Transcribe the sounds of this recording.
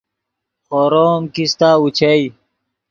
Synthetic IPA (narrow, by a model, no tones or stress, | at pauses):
xoːɾoːmkist̪aːut͡ɕʰai